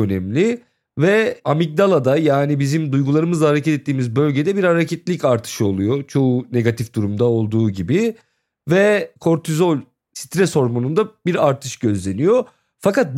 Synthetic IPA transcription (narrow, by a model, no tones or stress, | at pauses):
ønɛmlʲi | vɛamic̚d̪alˠad̪ajaːnibizimd̪ujɡulˠaɾɯmɯzlˠaɦaɾecʰɛt̪ɛt̪ːiːmizbø̞lʲɟed̪ɛbiɾhaɾecʰɛt̪lʲicaɾt̪ʰɯ̥ʃɯo̞lˠujot͡ʃʰo̞une̞ɡat̪ʰifd̪uɾumd̪ao̞lˠd̪uːɟibi | vɛkʰo̞ɾt̪ʰizo̞lʲ | si̥t̪ɾɛso̞ɾmonund̪abiɾaɾt̪ʰɯʃɟø̞zlʲe̞nijo | fakat̪̚b